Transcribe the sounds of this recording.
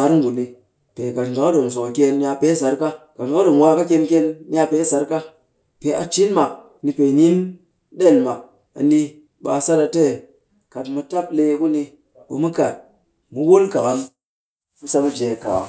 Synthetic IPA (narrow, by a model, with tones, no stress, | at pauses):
sa˦ɾŋ˦ɡu˨ni˧ | pe˨ka˨tɡa˨ka˦do˨ms̬o˨kʲe˧n˦a˧pe˦s̬a˨˦ɾka˦ka˨ɡa˨˦a˦do˨m˨wa˦ka˦kʲe˧nkʲe˦nː˦a˧pe˨˦sa˨˦ɾka˦ | pe˨˦a̰˨t͡ʃi˦nma˨ | ni˧pe˨ni˦n | ɗe˦˨lma˨ | a̰˨ndi˧ | ɓa˧sa˦ɾa˧te˦˨ | ka˨tmu˧ta˦ple˧ku˦ni˧ | ɓu˨mu˦ka˨t̚ | mu˨wo˦lka˨ɣa˨n | mu˦sa˧bu˦d͡ʒe˨ka̰˨a̰˨